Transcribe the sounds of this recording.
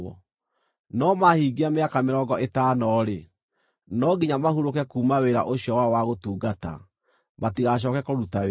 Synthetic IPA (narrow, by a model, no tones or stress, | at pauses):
ɔ | nɔmahiːɡeameakameɾɔːɡɔʔetaːnɔɾe | nɔɡiɲamahuɾokɛkuːmaweɾa̰ʔoɕijɔwawaɣotuːɡata̰ | matiɣaɕ̬ɔːkɛkoɾutawe